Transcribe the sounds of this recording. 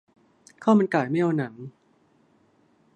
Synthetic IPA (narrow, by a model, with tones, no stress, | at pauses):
kʰaː˥˩ma˧nkaː˨˩jma˥˩jʔa˧wna˩˦ŋ